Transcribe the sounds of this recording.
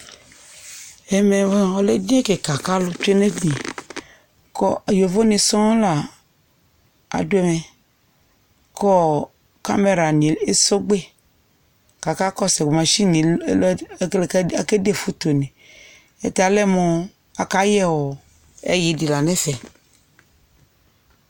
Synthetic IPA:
ɛ˨me˨˦ɔ˨le˦di˦ɛ˦ke˨ka˨ka˦lʊ˦tu˦e˦ne˦di˨ | kɔ˦˨jo˨vo˦nĩ˧sɔ̃˦la˨ | a̰˨du˦ɛ˦˨mɛ˨ | kɔ˦ | ka̰˦me˨ɾa˨nĩ˨e˦so˦ɡ͡be˦ | ka˨ka˦kɔ˦sɛ˨ɡ͡bu˨mã˨ʃi˦nĩ˨˦llka˨ke˦de˦fu˦t̪o˨nĩ˨ | ḛ˨t̪a˨lɛ˦mo˨ | a˨ka˦jɛ˦wɔ˨ | ḛ˦ji˨di˨la˨nɛ̃˦sɛ˨

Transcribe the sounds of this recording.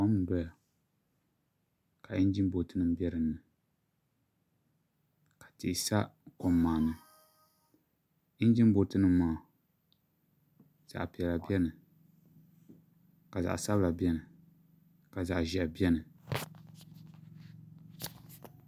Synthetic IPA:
ɔ˦m˦dɔ˦la˨ | ka˨i˦n˦d͡ʒi˦m˦bo˨tɨ˦nɨ˨m˦bɛ˦ɾɨ˨nːɨ˨ | kḁ˨ti˨ʔsa˦kɔ˨mːaː˨nɨ˨ | i˦n˦d͡ʒi˦m˦bo˨tɨ˦nɨ˦mːaː˦˨ | z̥a̰˨ʔpi˨ɛ˨la˨bjɛ˦nɨ˨ | ka˨za̰˨ʔsa˦bla˨bi˦ɛ˦nɨ˨ | ka˨za̰˨ʔʒɛ˨bjɛ˦nɨ˨

